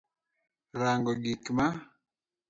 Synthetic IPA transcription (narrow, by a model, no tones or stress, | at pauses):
ɾaŋɡɔɡikma